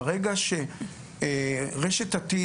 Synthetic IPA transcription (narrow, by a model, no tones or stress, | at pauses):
ʁeɡaʃe | ʁeʃet̪at̪i